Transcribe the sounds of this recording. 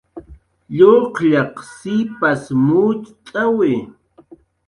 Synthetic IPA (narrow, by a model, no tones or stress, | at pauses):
ʎoqʎɑqsɪpasmʊt͡ʃt̪ʼawɪ